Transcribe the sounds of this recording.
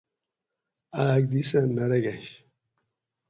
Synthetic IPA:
aːɡ̚d̪isɐmɐɾɐɡɐɕ

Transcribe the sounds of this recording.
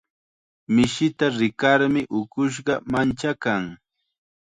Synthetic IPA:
mɪʃɪt̪aɾɪkaɾmɪʔʊkʊʃ̬ɢɑmant͡ʃakaŋ

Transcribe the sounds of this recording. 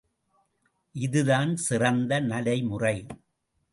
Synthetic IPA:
ʔɪðɯðaːnsɪrɐnd̪ɐnɐlɐɪmʊrɐɪ

